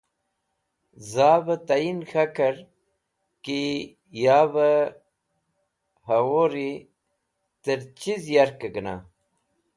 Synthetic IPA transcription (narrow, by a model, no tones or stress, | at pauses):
zaːbət̪ainxakəɾ | ki | jabə | hɐɣoɾi | t̪əɾt͡ɕizjaɾkəɡəna̰